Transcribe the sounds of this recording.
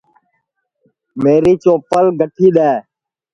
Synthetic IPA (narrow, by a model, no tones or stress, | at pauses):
meːɾiːt͡ʃoːpəlɡʱəʈʰiːɗ̪ɛː